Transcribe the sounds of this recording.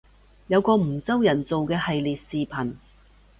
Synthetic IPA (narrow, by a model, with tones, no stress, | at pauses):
jɐ˨˧wkɔː˧m̩˨˩t͡sɐ˥wjɐ˨˩nt͡so˨wkɛː˧hɐ˨jliː˨t̚siː˨pʰɐ˨˩n